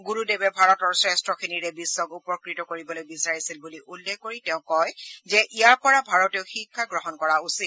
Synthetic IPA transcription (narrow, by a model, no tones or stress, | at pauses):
ɡuɹudebɛbʱaɹɔtɔɹsɹɛstɹɔkʰiniɹɛbisːɔkupɔkɹitɔkoɹibɔlojbisaɹisilbuliʔulːɛɡʱkoɹitɛʊ̃kɔjzɛʔijaɹpɔɹabʱaɹɔteʊxikʰːaɡɹɔɦɔnkɔɹausit